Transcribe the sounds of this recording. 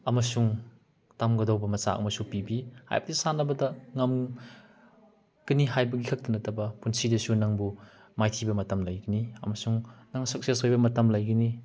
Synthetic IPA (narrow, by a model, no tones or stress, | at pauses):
ɐmɐsuŋ | tamɡɐdawbɐmɐsa̰ɐ̰mɐsupibiha̰jbɐdisanɐbɐdɐŋɐm | kɐnihajbɐɡikʰɐk̚tɐnɐtɐbɐpunsidɐsunaŋbu | majtʰibɐmɐtɐmlɐjɡɐniɐ̰mɐsuŋnaŋsɐk̚sesojbɐmɐtɐmlɐjɡɐni